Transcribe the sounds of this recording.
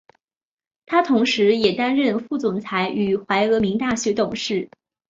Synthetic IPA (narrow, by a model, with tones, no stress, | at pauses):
t̪ʰa˥t̪ʰʊ˧˥ŋʂɻ̩˧˥jɛ˨˩t̪a˥nɻə˥˧nfu˥˩t͡sʊ˨˩ŋt͡sʰa˧˥ɪʔy˨˩xwa˧˥ɪɤ˧˥mi˧˥ŋt̪a˥˩ɕɥɛ˧˥t̪ʊ˨˩ŋʂɻ̩˥˩